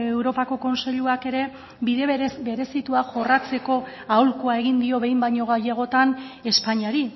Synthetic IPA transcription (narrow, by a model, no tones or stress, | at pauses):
ewɾo̞pako̞ko̞nseʎuake̞ɾe̞ | biðe̞sbe̞ɾe̞sit̪uaʝo̞rat͡se̞ko̞ | awlkoae̞ɣ̞ind̪io̞βe̞jmbaɲo̞ɣ̞ajeɣ̞o̞t̪ane̞spaɲiaɾi